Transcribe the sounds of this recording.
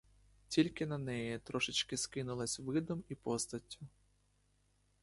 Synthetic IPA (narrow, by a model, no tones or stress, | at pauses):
tʲilʲkɪnɐnɛjɛt̪ɾɔʂɪt͡ʃkɪskɪnʊlˠɐsʲʋɪd̪ɔmipɔst̪ɐtʲːʊ